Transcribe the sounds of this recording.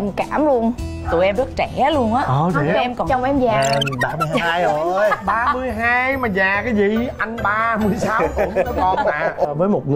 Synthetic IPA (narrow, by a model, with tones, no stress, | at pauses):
ɛ˧mkaː˧˩mlu˧ən | t̪ṵ˨˧˩jʔɛ˧mzə˦˥t̚t͡ɕɛ˧˩˨lu˧ənʔaː˨˦ʔəː˧˩˨i˨ʔɛ˧mkɔ˨˩t͡ɕɔ˧wŋ͡mʔɛ˧mzaː˨˩ɓaː˧mɨ˧hːjɓaː˧mɨ˧əjɦaː˧jmaː˨˩zaː˨˩kaː˨˦jzi˨˩˦ʔa˧jŋɓaː˧mɨ˧əjsaː˧˨wk̪ʊ˨˧˦ɔ˨˦ɔ˨˩maː˧˨˩vəː˨˦jmo˨˩t̚ŋɨ˨